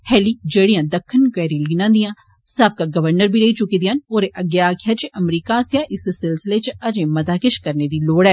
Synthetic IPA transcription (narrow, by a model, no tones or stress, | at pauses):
hɛːliːd͡ʒeːɽijãːd̪əkʰːənkɛːɾĩliːnãːnd̪ijãː | səb̚kaːɡəʋəɾnəɾbʱiːɾəiːt͡ʃʊkiːd̪iːanoːɾeʔəɡjaːkʰjaːt͡ʃəmɾiːkaːsjãːʔɪssɪlsɪleːt͡ʃəd͡ʒẽːmət̪aːkɪʃkəɾneːd̪iːloːɽɛː